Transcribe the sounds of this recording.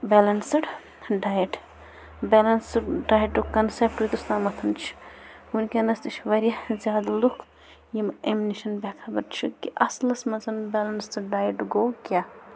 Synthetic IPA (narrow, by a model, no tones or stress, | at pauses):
bɛlɐnsɨɽ | ɖaːjiʈ | belɐnsɖaːjʈukɐnsep̚ʈit̪ust̪aːmɐt̪ʰɐnt͡ʃʰi̥unkenɐst̪it͡ʃʰʋɐɾjɐzʲjaːd̪lukʰ | jimeminiʃɐnbekʰabɐɾt͡ʃʰikiʔɐslɐsmɐzɐnbelɐnst̪ɖaːjəʈɡokʲja